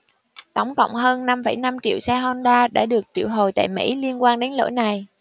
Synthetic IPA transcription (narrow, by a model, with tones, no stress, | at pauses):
t̪ə˨˦wŋ͡mkə̰˧˨wŋ͡mɦəː˧nːa˧mfə˧˩jna˧mt͡ɕḭ˧˨əwsɛ˧ɦɔ˧nɗaː˧ɗa̰ː˧˥ɗɨ˨˩ək̚t͡ɕḭ˧˨əwɦo˨˩jt̪a̰ː˧˨jmḭ˧˥jli˧ənkwaː˧nɗe˨˦nlo̰˧˥˦jna˨˩j